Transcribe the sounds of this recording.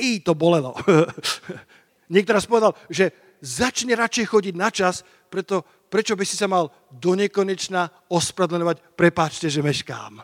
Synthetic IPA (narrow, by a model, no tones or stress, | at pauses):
iːt̪ɔbɔlɛlɔ | ɲɪɛkt̪ɔɾaːspɔʋɛd̪alʒɛ | zat͡ʃɲɛɾat͡ʃɛjxɔɟiɟnat͡ʃas | pɾɛt̪ɔ | pɾɛt͡ʃɔbisi̥samal | d̪ɔɲɛkɔɲɛt͡ʃna | ɔspɾad̪lɛɲɔʋacpɾɛpaːt͡ʃcɛʒɛmɛʃka̰ːm